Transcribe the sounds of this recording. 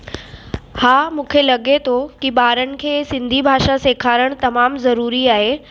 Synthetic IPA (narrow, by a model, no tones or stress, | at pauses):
haːmũːkʰelɐɠet̪ʰokiɓaːɾənɪ̆kʰeːsɪ̃nd̪ʱibʱaːʃaseːkʰaːɾəɽ̃t̪ɐmaːmzɐɾuːɾiaːɦeː